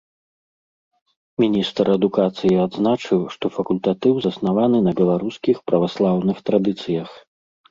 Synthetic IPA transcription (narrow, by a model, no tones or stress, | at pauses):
mʲinʲist̪ɾɐd̪ukat̪sɨjiad̪znat͡ʂɨwʂt̪ɔfɐkulʲt̪at̪ɨwzɐsnavanɨnɐbʲɛlˠaɾuskʲixpɾɐvaslˠawnɨxt̪ɾad̪ɨt̪sɨjɐx